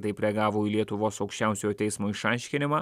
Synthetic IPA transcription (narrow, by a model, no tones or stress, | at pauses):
t̪ɐɪpʲɾʲɛɡɑːʋoːilʲiɛt̪ʊʋoːsɒʊkʃʲt͡ʃʲɛʊsʲojoːt̪ʲɛɪsmoːɪʃɑˑɪʃʲkʲɪnʲɪmɑː